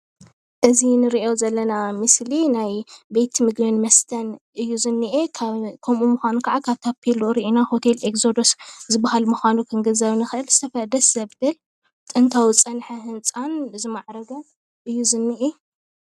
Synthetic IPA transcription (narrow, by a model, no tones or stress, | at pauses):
ʔɨzinɨɾiʔo̞zɐlːɐnamɨslinajbe̞jt̪ʰmɨɡbɨnmɐst̪ʰɐnʔɨjːuzɨnːɨʔekʰkʰomʔumuxʷanukʰaʕakʰaβt̪ʰapʰiluɾiʔinaho̞t̪ʰe̞lekzo̞d̪oszɨbahalmuxanukʰɨŋɡɨzɐβnɨxɨʔɨlz̥ɨt̪ʰɐfɐd̪ɐszɐβd̪ɨl | t̪ʼɨnt̪ʰawit͡sʼɐnħahɨnt͡sʼanɨzimaʕɾɐɡɐ | ʔɨjːuzɨnːɨʔe